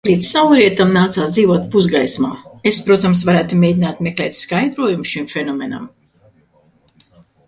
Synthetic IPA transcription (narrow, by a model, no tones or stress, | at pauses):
plʲiɛt̪sawɾiɛt̪amnaːt̪saːsd̪ziːvuɔt̪̚puzɡajsma̰ːespɾuɔt̪ams̬vaɾæːt̪umʲeːd̪ʲinaːt̪meklɛːt̪skajd̪ɾuɔjumʃimfʲenɔmʲena̰m